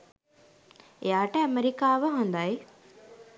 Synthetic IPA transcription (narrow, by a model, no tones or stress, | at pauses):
ḛjaːʈəæmeɾikaːʋəɦond̪aj